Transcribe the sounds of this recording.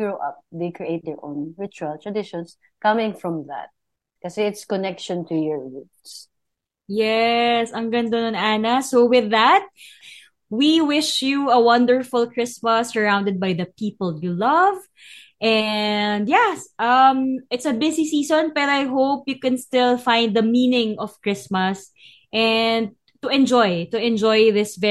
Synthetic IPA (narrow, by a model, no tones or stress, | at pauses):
ɡɹoʔɐ̰p̚d̪eɪkɹiʔeɪt̪̚d̪ɛɹʔõ̰ʊ̃nɹɪt͡ʃuɐlt̪ɹɐd̪ɪʃɔ̃ns | kʌmɪ̃ŋfɹɔ̃mða̰t̪̚ | kɐsɛɪt̪skɔnɛkʃɔ̃nt̪ʰujɔɹɹut̪s | jɛsɐ̃ŋɡɐnd̪ononʔaːnɐsowɪðɐt̪̚ | wiwɪʃjuɐwʌ̃nd̪əɹfʊlkɹɪsmɐsːəɹãw̃nd̪ɛd̪̚bajðɐpiːpəlˠjulʌv | ʔɛnd̪jɛsʔʌ̃mɪt̪sɐbɪsisiːsõnpɛːɾoajɦowpjukɛ̃nst̪ɪlˠfãɪ̃nd̪ðɐmĩːnɪ̃ŋɔv̥kɹɪsmɐs | ʔɛ̃nd̪̚ | t̪uʔɛ̃nd͡ʒɔjt̪ʊɛ̃nd͡ʒɔjðɪsvɛ